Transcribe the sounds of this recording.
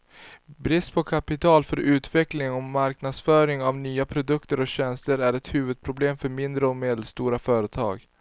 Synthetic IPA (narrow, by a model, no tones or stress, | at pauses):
bɾɪst̪pʰɔkʰapɪt̪ʰɑːlfœɾʉ̟ːt̪ʰvɛklɪŋɔmaɾknad̪sfœːɾɪŋavnyːapʰɾʊd̪ɵkt̪əɾɔkɕɛnst̪əɾæɾɛt̪hʉ̟ːvəd̪̚pʰɾʊbleːmfœɾmɪnd̪ɾəɔmeːd̪əlst̪uːɾafœːɾət̪ʰɑ̰ːɡ